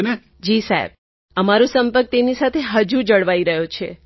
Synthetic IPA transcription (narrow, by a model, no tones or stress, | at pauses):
ne | d͡ʒisaɦḛb̚ | əmaɾũsəmpəɾk̚t̪emnisat̪ʰeɦəd͡ʒud͡ʒəɽʋaiɾəɦjot͡ʃʰḛ